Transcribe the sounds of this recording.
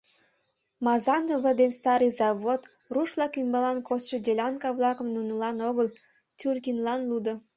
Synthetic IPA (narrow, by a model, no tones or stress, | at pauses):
mɑzɑnoβəd̪enst̪ɑɾɨjzɑβot̪ | ruʃβlɑkymbɑlɑnkosʃə̆dʲelʲɑnkɑβlɑkə̆mnunulɑnoɣəl | tʲulʲkinlɑnlud̪o